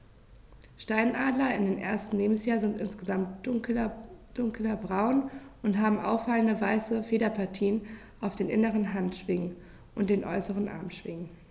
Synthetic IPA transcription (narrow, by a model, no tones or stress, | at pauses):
ʃtaɪnʔaːdlɐɪndeːnʔḛːɐstn̩leːbm̩sjaːɐzɪntʔɪnsɡ̥əzamt | d̥ʊŋklɐbʁaʊnʔʊntɦaːbm̩ʔa̰ʊfaləndəvaɪsəfeːɾɐpʰaɐtʰiːən | ʔaʊfd̥eːnʔɪnəʁ̞ənɦantʃv̥ɪŋən | ʔʊnt̚d̥eːnʔɔ̰ʏsəʁ̞ənʔa̰ɐmʃv̥ɪŋən